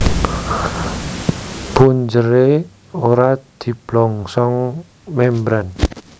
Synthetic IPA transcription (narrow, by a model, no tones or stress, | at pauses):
puɲd͡ʒəɾe | oɾad̪̥i̤b̥lɔŋsɔŋ | membɾan